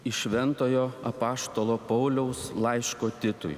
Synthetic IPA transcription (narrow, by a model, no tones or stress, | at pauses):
ɪʃʲʋʲɛnt̪oːjoːɐpɑːst̪oːlˠoːpɐʊlʲɛʊslˠɐɪʃkoːt̪ʲɪt̪ʊ̰j